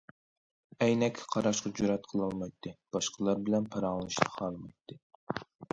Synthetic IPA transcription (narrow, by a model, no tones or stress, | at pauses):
ɛjnɛkʲʰːqʰɑɾɑʃqɑd͡ʒuɾɛt̪̚qʰəlˠɑlˠmɑjt̪ʰːɨb̥ɑʃqʰəlˠɑɾbɪlɛnpʰɑɾɑŋlˠɨʃt̪ʰɑ̥χɑlˠmɑjt̪ʰːɨ